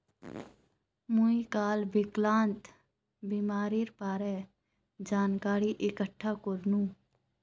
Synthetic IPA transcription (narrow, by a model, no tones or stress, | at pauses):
muikaːlbiklaːnt̪ | biːmaːɾiːɾpaːɾɛː | d͡ʒaːnkaːɾiːʔɪkəʈʰːaːkoɾnũː